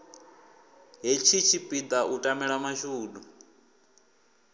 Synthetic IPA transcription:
ɦet͡ʃʰit͡ʃʰipʼid̪aʔutʼamɛɺamaʃuːɗu

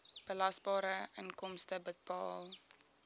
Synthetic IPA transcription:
b̥əlɐsbɑːɾəəŋkɔmstəbət̚bɑːl

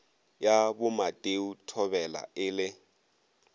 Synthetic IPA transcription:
jabʊmatʼeutʰɔbɛla̰ʔɪlɪ

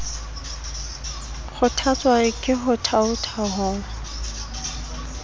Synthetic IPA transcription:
χʰʊtʰat͡sʼwaɪkʼɪɦʊtʰaʊtʰaɦʊ

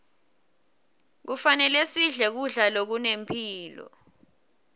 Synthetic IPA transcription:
k̬ufanɛlesiɮɛk̬uɮalok̬unempʰiːlɔ̰

